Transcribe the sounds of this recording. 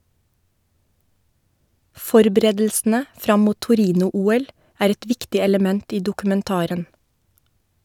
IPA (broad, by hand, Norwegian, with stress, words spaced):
ˈfɔɾbɾeːdl̩sn̩ə ˈfɾɑm ˈmuː tʊˈɾiːnʊˌuːɛl ˈæːɾ ˈɛt ˈʋɪktɪ ɛləˈmɛnt ˈiː dʊkʉmɛnˈtɑːɾən